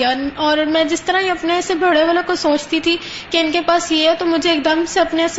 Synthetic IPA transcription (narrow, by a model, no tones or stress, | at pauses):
aɔːɾmɛ̃ːd͡ʒɪst̪əɾaiɐpnesebʱɐɽeʋɐlõkosoːt͡ʃt̪it̪ʰi | keɪnkepaːsjeɦɛt̪omʊd͡ʒʱeːk̚d̪əmseɐpneɛs